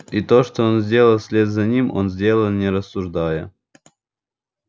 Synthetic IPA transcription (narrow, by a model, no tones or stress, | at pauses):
it̪oʂt̪oonzʲdʲe̞lˠəlˠsʲlʲed̪zɐnʲimo̰nzʲdʲe̞lˠəlˠnʲɪɾəsːʊʐd̪ajə